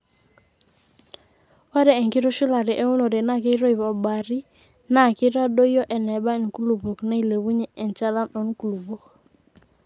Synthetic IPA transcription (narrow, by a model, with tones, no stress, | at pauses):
wa˦ɾɛ˨ɛ˨ŋkɪ˦ɾo˦ʃi˦la˨ɾɛ˨ʔe˦ŋu˦no˨ɾɛ˨na˦˨ke˦ɾɔ˦i˨βɔ˨ba˨ɾi˦ | na˦˨ke˦ɾa˦do˦jɔ˦ʔɛ˨nɛ˨ba˦e˨n˨ku˦lu˨bo˨kna˦i˨le˨βu˦ɲɛ˦ɛ˨nt͡ʃa˦la˦nɔ˨n˦ku˨lu˨bo˦k